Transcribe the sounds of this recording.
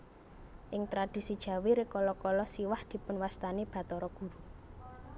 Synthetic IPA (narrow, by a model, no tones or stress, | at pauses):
ʔɪŋt̪ɾad̪̥i̤sid̥ʒ̥ä̤weɾekɔlɔkɔlɔsiwahd̪̥i̤pʊnwast̪aneb̥ä̤t̪ɔɾɔɡ̥ṳɾu